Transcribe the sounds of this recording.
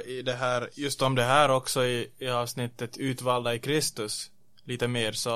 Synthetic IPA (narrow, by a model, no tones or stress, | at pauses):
ɪd̪ɛɦæːɾjɵst̪ɔmd̪ɛɦæːɾɔksɔɪɪɑːvsnɪt̪ːət̪ʰʉ̟ːt̪vɑːld̪aɪkʰɾɪst̪ɵs | liːt̪əmeːɾsɔ